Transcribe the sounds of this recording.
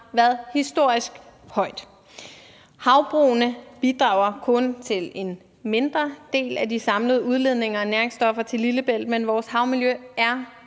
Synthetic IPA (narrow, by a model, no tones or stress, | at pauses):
ʋæːɐðˠhisd̥o̝ɐ̰isɡ̥hɒ̽ɪ̰d̥ | hɑ̈ʊb̥ʁuːnəb̥id̥ʁɑ̈ʊɐkʰɔ̽nt͡sʰe̝le̝n | me̝nd̥ʁɐd̥e̝̰ːlæd̥isɑ̈mləð̞ˠuð̞ˠle̝ð̞ˠne̝ŋɐɒnæɐeŋsd̥ɒ̽fɐt͡sʰe̝liləb̥el̰d̥̚menʋɒːshɑ̈ʊmiljøæɐ